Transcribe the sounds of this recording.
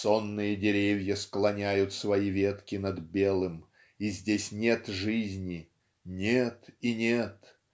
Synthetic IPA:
so̞nːɨjədʲɪɾʲevʲjəsklˠɐnʲæjʊt̪svɐivʲe̞t̪kʲɪnɐd̪bʲelˠɨm | izʲdʲesʲnʲet̪ʐɨzʲnʲɪ | nʲet̪inʲet̪

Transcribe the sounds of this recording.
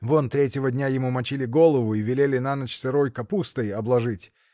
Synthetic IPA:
vont̪ɾʲetʲɪvədʲnʲajɪmumɐt͡ɕilʲɪɡo̞lˠəvʊivʲɪlʲelʲɪnanət͡ɕsɨɾo̞jkɐpust̪əjɐblˠɐʐɨtʲ

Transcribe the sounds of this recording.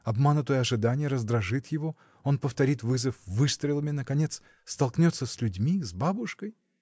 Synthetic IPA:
ɐbmanʊt̪əjəɐʐɨd̪anʲɪjəɾəzd̪ɾɐʐɨt̪jɪvo̞ | o̞npəft̪ɐɾʲit̪vɨzəfvɨst̪ɾʲɪlˠəmʲɪnəkɐnʲe̞t̪s | st̪ɐlˠknʲot̪sːəsʲlʲʉdʲmʲizbabʊʂkəj

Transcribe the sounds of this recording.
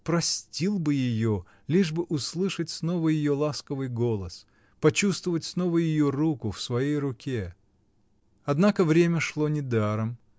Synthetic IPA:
pɾɐsʲtʲilˠbɨjɪjo | lʲiʐbɨʔʊslˠɨʂətʲsno̞vəjɪjo̞lˠaskəvɨjɡo̞lˠəs | pɐt͡ɕust̪vəvətʲsno̞vəjɪjorukʊfsvɐjejrʊkʲe | ɐd̪nakəvɾʲemʲəʂlˠo̞nʲɪd̪aɾəm

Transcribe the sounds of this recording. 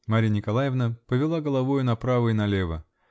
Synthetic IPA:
maɾʲijənʲɪkɐlˠajɪvnəpəvʲɪlˠaɡəlˠɐvojʊnɐpɾavɨɪnɐlʲevə

